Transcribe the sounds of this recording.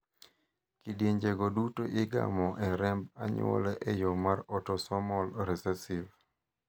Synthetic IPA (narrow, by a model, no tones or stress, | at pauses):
kidjeɲd͡ʒeɡodutoʔɪɡa̰mɔʔɛɾɛmbaɲo̰lɛʔɛjomaɾɔtɔsɔmɔlɾɛsɛsiv